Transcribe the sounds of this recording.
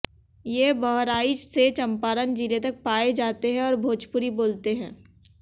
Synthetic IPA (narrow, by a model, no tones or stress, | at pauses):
jebɔɦɾaːid͡ʒset͡ʃɐ̃mpaːɾənd͡ʒiːlet̪ɐk̚paːed͡ʒaːt̪eɦɛ̃ɔːɾbʱoːt͡ʃpʊɾiboːlt̪eɦɛ̃ː